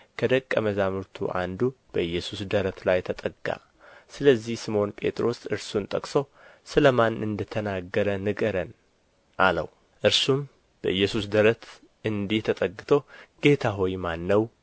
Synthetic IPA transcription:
kʰəd̪əkʼːəməzamɨɾt̪ʰṵʔa̰nd̪ub̥əɨjːɛsusd̪əɾət̪lajt̪ʰət̪ʼəɡa̰ | sɨləzːihsɨmo̞npʼe̞̰t̪ʼɾo̞sɨɾsunt̪ʼəkʼso | sɨləmanɨnd̪ət̪ʰənaɡːəɾənɨɡəɾən | ʔalə̰w | ʔɨɾsum | b̥əʔɨjːɛsus̬d̪əɾət̪ʰ | ɨnd̪iht̪ʰət̪ʼəɡːɨt̪ʰo̞ɡ̥e̞t̪ʰaɦojmanːəw

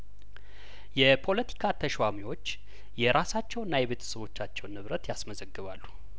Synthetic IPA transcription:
jɛpʰo̞lət̪ʰi̥kʰat̪ʰəʃwamiwo̞t͡ʃː | jɛɾʔasat͡ʃːɛwnːajɛβet̪ʰə̥səβo̞t͡ʃːat͡ʃːɛwnːɨβɾət̪jasməzəɡːɨβalːu̥

